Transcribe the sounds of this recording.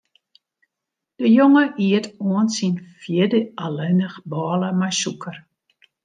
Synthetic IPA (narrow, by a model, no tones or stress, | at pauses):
d̥əjoŋəʔiətoənsinfjɪdəalenəxbɔːləmajsukʰər